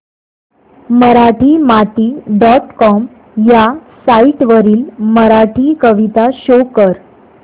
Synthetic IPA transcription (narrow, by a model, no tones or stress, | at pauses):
məɾaʈʰiːmat̪iːɖɔʈkɔm | jasaiʈʋəɾiːlməɾaʈʰiːkəʋit̪aɕokəɾ